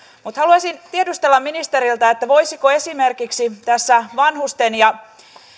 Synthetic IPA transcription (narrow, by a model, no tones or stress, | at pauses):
mut̪hɑluɑsint̪iedust̪elːɑminist̪eɾilt̪æet̪ːæʋo̞jsikoe̞sime̞rkiksit̪æsːæʋɑnhust̪enjɑ